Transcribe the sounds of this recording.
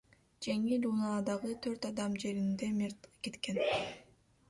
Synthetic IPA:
d͡ʒeŋilunɑd̪ɑʁɯt̪ʰø̞ɾt̪ɑd̪ɑmd͡ʒe̞ɾind̪e̞miɾt̪ke̞t̪ke̞n

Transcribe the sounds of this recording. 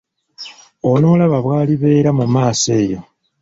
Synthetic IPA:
ono̞ːlaβaβwaːliβe̞ːɾamumaːse̞ːjo̞

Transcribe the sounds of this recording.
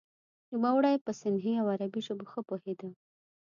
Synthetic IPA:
lumawɽajpəsɪnɦiawaɾabiʒoboxəpohed̪ə

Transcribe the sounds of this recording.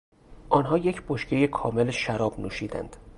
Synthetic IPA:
ʔɒːnɦɒːje̞cʰboʃcʰejekʰɒ̰ːmelʃæɾɒːb̥nṵːʃiːd̪æ̰nd̪̥

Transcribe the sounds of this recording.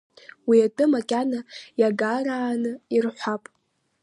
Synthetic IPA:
wiatʼɨmakʲʼanajaɡaɾaːnɨirħʷapʼ

